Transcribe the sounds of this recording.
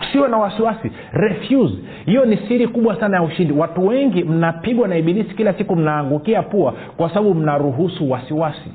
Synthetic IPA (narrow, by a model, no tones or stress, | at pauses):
siwɛnawasiwasi | ɾɛfjuz | hijɔnisiɾikuɓwasanajauʃindiwatuwɛŋɡim̩napiɠwanaiɓinisi̥kilasikum̩naːŋɡukiapua | kwasaɓaɓum̩naɾuɦusuwasiwasi